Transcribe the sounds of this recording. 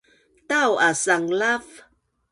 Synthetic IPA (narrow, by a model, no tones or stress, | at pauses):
tawasaŋlav